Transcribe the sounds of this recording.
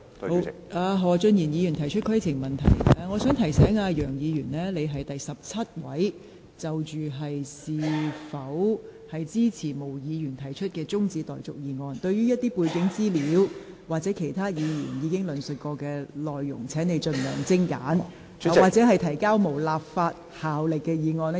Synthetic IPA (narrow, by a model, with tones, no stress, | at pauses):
ʔaː˧ɦɔː˨t͡ʃɵ˧njiː˨˩njiː˨˧jy˨˩nt̪ʰɐ˨˩jt͡ʃʰɵ˥t̚kʰɐ˥jt͡sʰɪ˨˩ŋmɐ˨nt̪ʰɐ̰˨˩jɐː˧ŋɔː˨˧sœː˨˥ŋt̪ʰɐ˨˩jsɛː˨˥ŋaː˧jœː˨˩ŋjiː˨˧ɥyː˨˩nlɛː˥le˨˧jɦɐ˨jt̪ɐ˨jsɐ˨p̚t͡sʰɐ˥t̚wɐ̰˨˥j | t͡sɐ˨wt͡ʃyː˨ɦɐ˨jsiː˨fɐ˨˥whɐ˨jt͡siː˥t͡sʰiː˨˩mo˨˩wjiː˨˧jyː˨˩nt̪ʰɐ˨˩jt͡ʃʰɵ˥t̚kɛː˧t͡sʊ˥ŋt͡siː˧t̪ɔ̰ː˨˩jt͡sʊ˨k̚jiː˨˧ŋɔː˧nt̪ɵ˧ɥyː˥jɐ˥t̚t̪iː˥puː˧jkɪ˨˥ŋt͡siː˥liː˨˥w | waː˨k̚t͡sɛː˨˥kʰe˨˩jt̪ʰaː˥jiː˨˧jy̰ː˨˩njiː˨˧kɪ˥ŋlɵ˨˩nsɵ˨t̚kɔː˧kɛː˧lɔː˨jːʊ̰˨˩ŋt͡sʰɛː˨˥ŋne˨˧jt͡ʃɵ˧nlœː˨˩ŋt͡sɪ˥ŋka̰ː˨˥n˨ | waː˨k̚t͡sɛ˨˥ɦɐ˨jt̪ʰɐ˨˩jkaː˥wmo˨˩wlaː˨p̚faː˧t̚ | haː˨wlɪ˨kːɛː˧jiː˨˧ŋɔː˧n˥